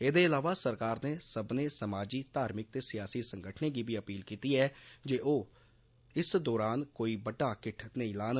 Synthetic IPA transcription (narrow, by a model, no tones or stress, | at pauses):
eːd̪eːɪlaːʋaːsəɾkaːɾneːsəbneːsəmaːd͡ʒiːt̪aːɾmɪk̚t̪eːsɪjaːsiːsəŋɡəʈʰneːɡiːbiːəpiːlkiːt̪iːɛːd͡ʒeːʔoː | ɪsd̪ɔːɾaːnkoːiːbəɖaːkɪʈ̪ʰnə̃ĩːlaːn